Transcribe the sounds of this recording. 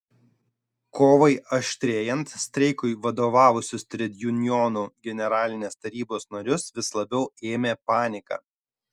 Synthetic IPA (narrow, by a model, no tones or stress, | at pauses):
koːʋɐɪɐʃʲt̪ʲɾʲeːjɛnt̪sʲt̪ʲɾʲɛɪkʊɪʋɐd̪oːʋɑːʋʊsʲʊst̪ʲɾʲɛd̪ʲjʊnʲjɔnuːɡʲɛnʲɛɾɑːlʲɪnʲeːst̪ɐɾʲiːboːsnɐɾʲʊsʋʲɪslˠɐbʲɛʊeːmʲeːpɑːnʲɪkɑ̰ː